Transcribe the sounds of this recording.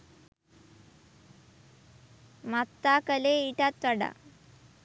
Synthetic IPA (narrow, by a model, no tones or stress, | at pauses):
mat̪ːakəleiʈat̪ːʋaɽa̰